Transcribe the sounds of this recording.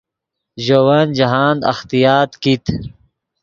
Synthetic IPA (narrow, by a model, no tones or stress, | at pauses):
ʑowaːnd͡ʑɐɦaːnd̪ɐ̰xt̪ijaːt̪kit̪